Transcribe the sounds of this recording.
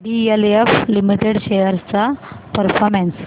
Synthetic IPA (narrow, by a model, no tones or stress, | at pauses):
ɖieleflimiʈeɽɕejəɾst͡sapəɾfʰɔɾmens